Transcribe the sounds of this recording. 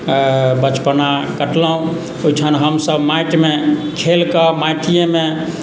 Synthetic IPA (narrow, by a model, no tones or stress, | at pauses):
bət͡ʃpənakəʈləɦũ | ojt͡ʃʰənɦəmsəbmajʈmekʰelkəmajʈʰijeme